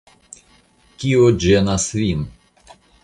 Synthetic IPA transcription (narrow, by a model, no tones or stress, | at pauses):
kʲiod͡ʒenasvin